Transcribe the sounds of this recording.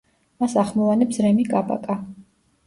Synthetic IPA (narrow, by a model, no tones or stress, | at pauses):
masaχmɔvanɛpsɾɛmikʼabʼa̰kʼa